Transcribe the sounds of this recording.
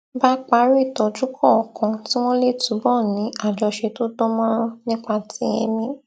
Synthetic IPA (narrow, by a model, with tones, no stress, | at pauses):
ba˦k͡pa˧˦ɾi˦i˦˨tɔ˨d͡ʒu˦kʰɔ˦˨kɔ̃˧˦ti˦w̃ɔ̃˦le˦˨tũ˨˦bɔ˦˨nĩ˨˦a˦˨d͡ʒɔ˧ʃe˧to˦dɔ˦mɔ̃˦nĩ˦k͡pa˧tʰĩ˨˦ɛ̰̃˧mĩ˧